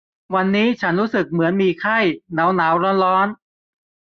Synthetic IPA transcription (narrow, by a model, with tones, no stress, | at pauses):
wa˧nːiː˦˥t͡ɕʰa˦˥nɾuː˦˥sɯ˨˩k̚mɯ˩˦ənmiː˧kʰa˥˩jna˩˦˥wnaː˩˦wɾɔː˦˥nɾɔː˦˥n